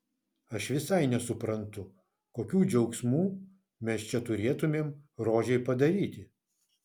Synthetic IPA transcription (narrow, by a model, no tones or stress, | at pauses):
ɐʃʋʲɪsɐɪnʲɛsʊpɾɐnt̪ʊ | koːkʲuːd͡ʒʲɛʊksʲmuː | mʲɛst͡ʃʲɛt̪ʊɾʲeːt̪ʊmʲeːmɾoːʒʲɛɪpɐd̪ɐɾʲiːt̪ʲɪ